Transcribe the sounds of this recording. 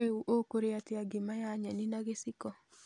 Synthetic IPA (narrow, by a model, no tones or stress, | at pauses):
euʔokoɾeateaɡimajaɲɛninaɣesikɔ